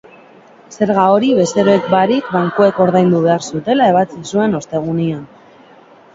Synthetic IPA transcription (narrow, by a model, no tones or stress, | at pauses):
se̞ɾɣao̞ɾiβe̞st̪e̞ɾoekbaɾikbaŋkoe̞ko̞ɾðajnd̪uβe̞aɾsut̪e̞lae̞βat͡sisue̞no̞st̪e̞ɣ̞unian